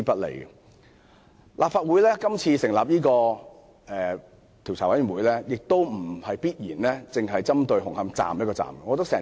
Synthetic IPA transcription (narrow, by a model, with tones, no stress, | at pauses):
i˥pɐ˥t̚lḛ˨˩jɡɛ̰˧˨ | lʔaː˨p̚faː˧t̚wu˨˥jlɛː˥kɐ˥mt͡sʰiː˧sɪ˨˩ŋlaː˨p̚jiː˥kɔː˧ | ʔɛː˨ | t̪ʰi˨˩wt͡sʰaː˨˩wɐ˨˥jmy˨˩nwuː˨˧jlɛː˥jɪ˨k̚t̪o˥wm̩˨˩hɐ˨jpiː˥t̚jiː˨˩nlɛ˥t͡sɪ˨ŋɦɐ˨jt͡sɐ˥mt̪ɵ˧ɥhʊ˨˩ŋhɐ˧mt͡sa̰ː˨mjɐ˥t̚kɔː˧t͡sa̰ː˨˩mɡɐ˧˨ɔː˨˧t̪ɐ˥ksɛː˨˩